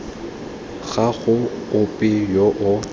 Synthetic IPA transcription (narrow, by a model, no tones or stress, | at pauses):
ɣaɣʊʊpʼɪjoʔʊ